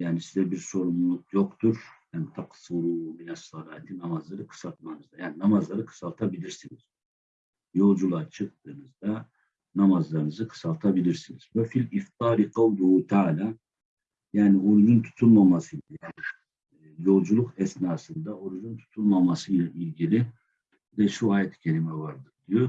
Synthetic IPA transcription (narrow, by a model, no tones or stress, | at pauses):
jaːnisizɛbiɾso̞ɾumulˠukjokt̪ʰuɾjaːnit̪ʰaqsuɾuminɛsːɑlaːt̪ʰinamazlˠaɾɯkʰɯ̥sat̪manɯzd̪ajaːninamazlˠaɾɯkʰɯ̥salˠt̪ʰabilʲiɾsiniz̥ | jo̞lˠd͡ʒulˠat͡ʃʰɯk̚t̪ʰɯːnɯzd̪a | namazlˠaɾɯnɯzɯkʰɯ̥salˠt̪ʰabilʲiɾsiniz̥vɛfilʲift̪ʰɑːɾiqʰɑwd̪uhut̪ʰaːlʲaː | jaːnioɾujunt̪ʰu̥t̪ʰulˠmamasɯjlajaːni | jo̞lˠd͡ʒulˠukʰɛsnaːsɯnd̪aoɾujunt̪ʰu̥t̪ʰulˠmamasɯjlʲˠaʔilʲɟilʲi | d̪ɛʃuaːjɛt̪ʰi̥cʰelʲimɛvaɾd̪ɯɾd̪ijo